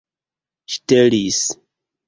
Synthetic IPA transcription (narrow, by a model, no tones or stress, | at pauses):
ʃi̥telis